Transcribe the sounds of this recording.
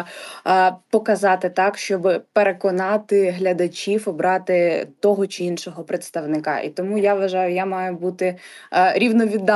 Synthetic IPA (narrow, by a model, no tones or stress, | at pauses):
pɔkɐzɑt̪ɪt̪ɑkʃt͡ʃɔbɪpeɾekɔnɑt̪ɪɦlʲɐd̪ɐt͡ʃʲiwɔbɾɑt̪ɪt̪ɔɦɔt͡ʃɪinʃɔɦɔpɾet̪st̪ɐʋnɪkɑ̰ʔḭt̪ɔmujaʋʋɐʒɑjʊjamɑjʊbut̪ɪ | ɾʲiwnɔʋʲid̪ːɑ